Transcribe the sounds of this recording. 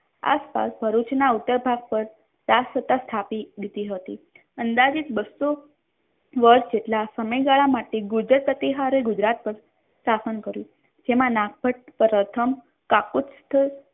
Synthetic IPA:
a̰spa̰sbʱəɾut͡ʃnaut̪ːəɾbʱaɡ̚pəɾ | t̪asət̪ast̪ʰapid̪it̪iɦət̪ḭ | ənd̪ad͡ʒikbəsːo | ʋəɾsd͡ʒeʈlasəməjɡaɭamaʈeɡʊd͡ʒɾəpət̪iɦaɾeɡʊd͡ʒɾat̪̚pəɾ | sasənkəɾjũ | d͡ʒemãnak̚pəʈ̚pɾət̪ʰəm | kakut̪st̪ʰə

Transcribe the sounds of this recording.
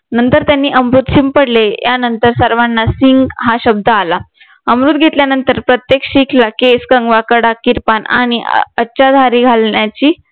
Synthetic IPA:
nənt̪əɾt̪janːiːʔəmɾut̪ɕimpəɽlejanənt̪əɾsəɾʋanːasiŋɡɦaɕəb̚d̪ʱəala | əmɾuːt̪̚ɡʱet̪ljanənt̪əɾpɾət̪jekɕikʰlakeskəŋɡʋakəɽakiɾpana̰ɽ̃iʔəːɕad̪ʱaɾiːɡʱalnjat͡ɕiː

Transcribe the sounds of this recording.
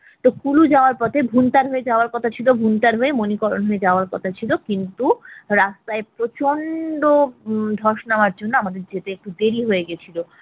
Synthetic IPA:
t̪okulud͡ʑaoaɾpɔt̪ʰebʱunt̪aɾɦoed͡ʑaoaɾkɔt̪ʰat͡ɕʰilobʱunt̪aɾɦoemonikoɾonɦoed͡ʑaoaɾkɔt̪ʰat͡ɕʰilokint̪uɾast̪aepɾot͡ɕonɖod̪ʱɔɾʃnaoaɾd͡ʑonːoamad̪eɾd͡ʑet̪eek̚ʈud̪eɾiɦoeɡet͡ɕʰilo

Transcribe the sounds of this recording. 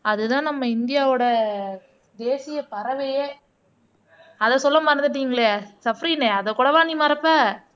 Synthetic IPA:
ɐðɯt̪ãːnɐmːɐɪnd̪ɪjaːʋoːɽɐ | d̪eːsɪjɐpɐɾɐʋɐjeː | ɐðɐsɔlːɐmɐɾɪɐnd̪ɯʈ̬ːiːŋɡɐɭasɐfɾineɐðɐkuːɽɐʋaːniːmɐɾɐpːa

